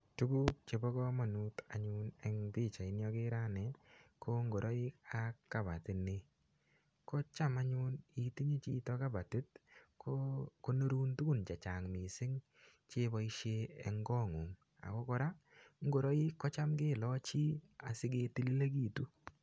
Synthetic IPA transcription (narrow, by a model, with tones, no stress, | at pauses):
tu˦ɡu˦t͡ʃe˨bɔ˦kɔ˦ma˨nu˦ta˨ɲʊ˦nɛ˦ŋbɪ˦˨t͡ʃa˨ɪ˨˦njɔ˦kɪ˦ɾa˦nɛ˨kɔ˦ŋɡo˨ɾɔ˦ɪ˦ka˨kːa˨ba˨tɪ˨nɪ˦ | kɔ˦t͡ʃa˦ma˦ɲʊ˦ni˨ti˦ɲi˦t͡ʃi˦tɔ˦ka˦ba˨tɪ˦t̚koko˦no˦ɾu˦ntu˦ku˦˨nt͡ʃa˨t͡ʃa˨ŋmɪ˨sɪ˦ŋ | t͡ʃe˦bɔ˨˦i˦ʃe˦ɛ˦ŋɡɔ˦˨ŋʊ˨ŋ | a̰˨kɔ˦kɔ˦ɾa˦ŋɡo˨ɾɔ˦ɪ˦kːɔ˦t͡ʃa˦mɡɪ˦˨lɔ˦t͡ʃi˦a˨sɪ˦ɡe˧ti˦li˦le˦ɡi˦˨tu˦